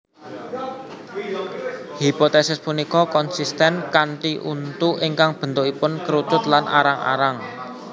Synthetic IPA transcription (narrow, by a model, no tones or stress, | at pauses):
hipot̪esɪspunikɔkɔnsist̪ɛnkaɳʈiʔṵnt̪uʔiŋkaŋb̥ə̤nt̪ʊʔipʊnkəɾut͡ʃʊt̪lanʔa̰ɾaŋa̰ɾaŋ